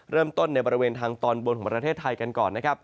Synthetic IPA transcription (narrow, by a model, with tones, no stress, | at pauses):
ɾɤː˥˩mt̪o˥˩nːa˧jbɔː˧ɾi˧weː˧nt̪ʰaː˧ŋt̪ɔː˧nwo˧nkʰɔː˩˦˥pɾa˧t̪ʰeː˥˩t̪ʰːa˧jka˧nkɔː˨˩nːa˦˥kʰa˦˥p̚